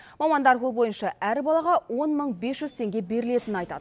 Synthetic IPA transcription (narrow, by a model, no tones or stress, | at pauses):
mɑmɑnd̪ɑɾwo̞lˠbo̞jənʃɑʔæɾɪbɑlˠɑʁɑwo̞nməɴbe̞sʒʏzt̪ʰe̞ŋɡʲe̞be̞ɾɪle̞t̪ɪnnɑjt̪ɑ̰d̪ə